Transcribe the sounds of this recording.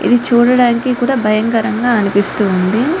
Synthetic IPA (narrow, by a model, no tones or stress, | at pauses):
ḭd̪it͡ʃuːɽɐɽaːnikikuːɽaːbʱɐjɐŋkɐɾɐŋɡaːɐnipist̪uːnd̪i